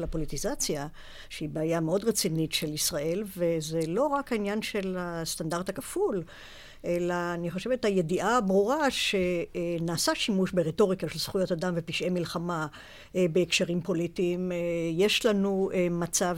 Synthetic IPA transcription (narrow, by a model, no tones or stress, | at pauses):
lapo̞lit̪izat͡sja | ʃeibeːjameo̞dʁet͡sinitʃelisʁaʔe̞lvezelo̞ʁakainjanʃe̞last̪andaʁd̪hakaful | ʔe̞laːniχo̞ʃevet̪haje̞diʔabʁuʁaʃenaːsaʃimuʃbeʁeto̞ʁikaʃelsχujo̞tadamvepiʃʔemilχama | beːkʃeʁimpo̞litiːmje̞ʃlanuemat͡sav